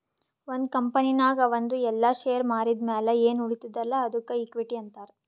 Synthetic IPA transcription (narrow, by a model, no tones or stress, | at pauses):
ond̪kɐmpɐninaːɡɐʋɐnd̪uɛlːɐʃeːjɐɾmaːɾid̪mɛːlɐeːnuɽit̪ud̪ɐlːɐɐd̪ukːɐiːkʋiʈiɐnt̪aːɾe